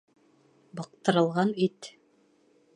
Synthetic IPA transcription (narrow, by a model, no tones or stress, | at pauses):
bɤ̆q̚t̪ɤ̆ɾɤ̆lˠʁɑnit̪